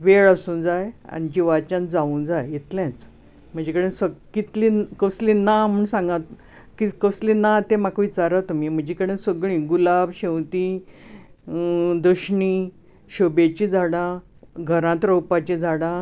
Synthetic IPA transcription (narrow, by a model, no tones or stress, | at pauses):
ʋeɭəsũːnd͡zaja̰nid͡ʑiʋat͡ɕãnd͡zaũːnd͡zajit̪ljãt͡s | m̤əɳd͡ʑekəɽẽsəkit̪likəslĩnam̤uɳsãŋɡãt̪ | kikəslĩnat̪emakʋit͡saɾat̪umim̤əɳd͡ʑekəɽẽsəɡɭĩːɡulabɕẽwt̪i | d̪əɕɳiː | ɕəbet͡ɕid͡zʱaɽã | ɡʱəɾãt̪ɾowpat͡ɕid͡zʱaɽã